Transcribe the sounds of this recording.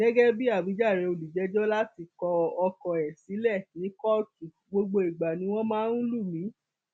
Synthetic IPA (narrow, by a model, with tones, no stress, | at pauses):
ɡ̥ɛ˦ɡɛ˦bi˦a˦˨bi˨˦d͡ʒa˦˨ɾẽ˧o˨li˨d͡ʒɛ˨˦d͡ʒɔ˦la˦ti˧˨kɔ˧ɔ˧kɔ̃˨ɛ˨si˨˦lɛ˦˨nĩ˨˦kɔ˦ki˨ | ɡ͡bo˧ɡ͡bo˧i˨ɡ͡ba˨nĩ˦w̃ɔ̃˦mãː˦n̩˦lu˦˨mĩ˨˦